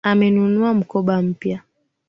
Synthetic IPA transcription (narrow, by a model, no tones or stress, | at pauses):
amɛnunuam̩kɔɓam̩pja